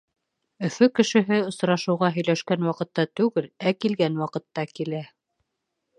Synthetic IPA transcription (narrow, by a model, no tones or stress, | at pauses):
ɵ̆fɵkɘ̆ʃɘ̆ɦɘŏsɾɑʃɤ̆wʁɑɦɵ̆jlæʃkænwɑqɤ̆t̪ːɑt̪ʉɡɘlækilɡænwɑqɤ̆t̪ːɑkilæ